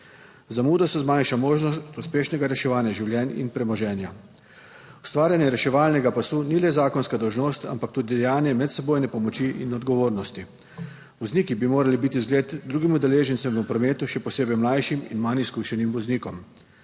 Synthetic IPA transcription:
zamuːd̪ɔsɛzmanʃamoːʒnɔst̪uspeːʃnɛɡaɾɛʃɛʋaːnjaʒiwljɛːnḭnpɾɛmɔʒɛːnja | u̥st̪ʋaːɾjanjɛɾɛʃɛʋaːlnɛɡapasuːnilɛzaːkɔnskad̪ɔwʒnoːst̪a̰mpakt̪uːd̪id̪ɛjaːnjɛmɛt̪sɛboːjnɛpɔmɔt͡ʃiʔḭnɔd̪̚ɡɔʋoːɾnɔst̪i | ʋɔzniːkibimoːɾalibit̪izɡleːt̪d̪ɾuːɡimud̪ɛleːʒɛnt̪sɛmupɾɔmeːt̪uʃɛpɔseːbɛjmlajʃimḭnmaniskuʃɛnimʋɔzniːkɔm

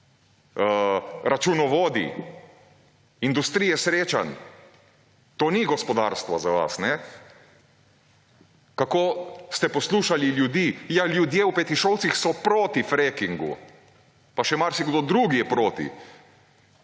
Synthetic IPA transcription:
əɾat͡ʃunɔʋoːd̪ḭ | ind̪ust̪ɾijɛsɾeːt͡ʃa̰n | t̪oːniɡɔspɔd̪a̰ɾst̪ʋazaʋa̰snɛ | kakoːst̪ɛpɔsluːʃaliljud̪iːjaljud̪jeːupɛt̪iʃowt̪sixsɔpɾoːt̪ifɾekiŋɡṵ | paʃɛmaɾsiɡd̪od̪ɾuɡijɛpɾoːt̪ḭ

